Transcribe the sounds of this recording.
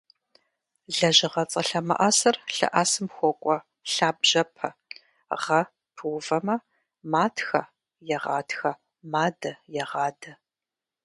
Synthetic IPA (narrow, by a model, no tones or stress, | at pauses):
ɮɐʑɪʁɐt͡sʼɐɬɐmɐ̰ʔasɐrɬɐ̰ʔaːsɨmxʷɔkʷʼɔ | ɬaːbʒ̥ɐpʰɐ | ʁɐ | pʰɨwvɐmɐ | maːtʰxɐ | jɛʁɑ̰ːtʰxɐ | maːdɐjɛʁɑːdɐ